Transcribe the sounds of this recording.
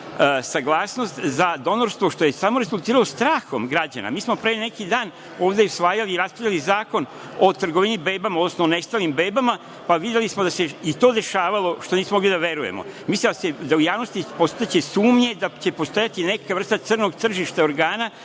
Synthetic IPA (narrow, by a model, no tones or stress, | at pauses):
saɡlˠaːsno̞st̪zad̪o̞no̞ɾst̪ʋoʃt̪o̞je̞samo̞ɾe̞zulˠt̪iːɾalost̪ɾaːxo̞mɡɾad͡ʑa̰na̰miːsmo̞pɾene̞kid̪aːn | o̞ːʋd̪eusʋaːjaliːɾaspɾavʎʲalizaːko̞n | o̞t̪r̩ɡo̞ʋiɲibe̞ːbamaod̪nosnoone̞st̪alimbe̞ːbama | paʋid̪jelismod̪ase̞it̪o̞ːd̪e̞ʃaːʋalˠo̞ʃt̪o̞niːsmomoɡlid̪aʋe̞ɾujḛmo̞̰mislid̪ased̪aujaːʋno̞st̪ipo̞st̪at͡ɕe̞suːmɲe̞d̪at͡ɕe̞po̞st̪o̞jat̪ine̞kaʋr̩st̪at̪srno̞ɡt̪r̩ʒiʃt̪ao̞ɾɡaːna